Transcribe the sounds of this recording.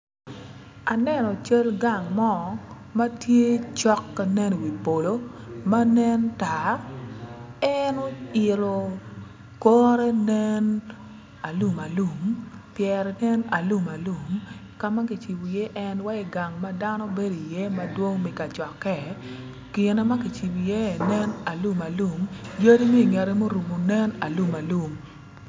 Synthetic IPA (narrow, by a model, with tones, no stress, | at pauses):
a˨nɛ˦nɔ˨t͡ʃe˦lɡa˨ŋmɔ˦˨˦ | ma˦tje˦t͡ʃɔ˦kːa˨nɛ˦n˨wi˨po˨lo˦ma˦nɛ˦nta˨ | ɛ˦no˦ɪ˨ɾo˨ | kɔ˦ɾɛ˦nɛ˦n | a˨lu˨ma˨lu˨mpjɛ˨ɾnɛ˦na˨lu˦ma˨lu˨m | ka˨ma˦ki˨t͡ʃi˨bo˨je˦ʔɛ˦nwa˦ɪ˨ɡa˨ŋma˦da˦nɔ˦be˦do˨i˨je˦ma˦dwo˦ŋmɪ˨ka˨t͡ʃɔ˨kɛ˨ | kɪ˨nɛ˦ma˦ki˨t͡ʃi˨bo˨je˦˨nɛ˦na˨lu˦ma˨lu˦˨mjo˦di˦me˦i˨ŋɛ˨ɾɛ˦mo˦ɾu˨mo˨nɛ˦na˨lu˦ma˨lu˨m